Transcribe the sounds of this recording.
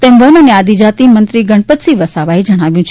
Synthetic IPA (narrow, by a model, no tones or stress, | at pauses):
t̪emʋənənead̪ʱid͡ʒat̪imənt̪ɾiɡəɳpət̪siʋəsaʋaid͡ʒəɽ̃aʋjũt͡ʃʰ